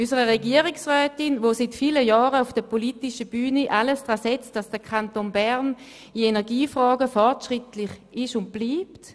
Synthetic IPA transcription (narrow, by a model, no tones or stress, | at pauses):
ysəʁəʁeɡiəʁɪksʁœːtɪnvoːsitfiləjɔːʁəufd̥əpoliːtɪʃəb̥yːnəʔaləsd̥ʁaːsɛt͡std̥asd̥əkʰantonbɛʁn | ienɛɐɡiːfʁɔːɡəfɔʁtʃʁɪtlɪχɪʃʊnt̚b̥liːpt